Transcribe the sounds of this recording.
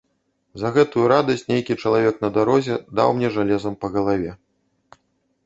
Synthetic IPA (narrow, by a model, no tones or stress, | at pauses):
zɐɣɛt̪ujuɾad̪ɐsʲtʲnʲejkʲit͡ʂɐlˠavʲɛknɐd̪aɾɔzʲɛd̪a̰wmnʲɛʐalʲɛzɐmpɐɣɐlˠavʲɛ